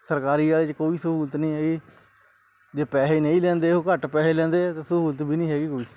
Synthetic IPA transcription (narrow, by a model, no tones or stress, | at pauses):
səɾkaːɾiːaːleːt͡ʃkoːiːsəɦuːlət̪nĩːɦɛːɡiː | d͡ʒeːpɛːseːnẽĩːlɛ̃ːnd̪eːɦoːkəʈpɛːseːlɛ̃ːnd̪eːt̪eːsəɦuːlət̪bʱiːnĩːɦɛːɡiːkoːiː